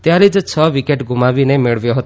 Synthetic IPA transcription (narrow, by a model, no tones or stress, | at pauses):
t̪jaɾid͡ʒt͡ʃʰəʋikeʈɡʱumaʋinemeɭʋjoɦət̪